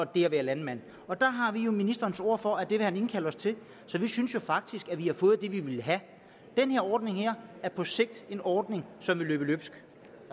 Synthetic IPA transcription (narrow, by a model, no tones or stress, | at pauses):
ɒ̽d̥e̝æʋæɐlænmæn̰ | ɒ̽d̥ɑ̈ɦɑ̈ʋijo̝minisd̥ɐːnso̝ɐ̰fɒ̽æd̥e̝ʋehæne̝nkʰæləɒ̽st͡sʰe̝l | sɒ̽ʋisynsjo̝fɑ̈ɡ̥̚d̥isɡ̥æʋihɑ̈fɔ̽ːð̩ˠd̥e̝ʋiʋe̝lɦæ | d̥enheɐɒːd̥ne̝ŋhæɐ̰æɐpʰɒ̽se̝ɡ̥̚d̥e̝nɒːd̥ne̝ŋsɒ̽mʋe̝lø̰ːb̥əløb̥sɡ̥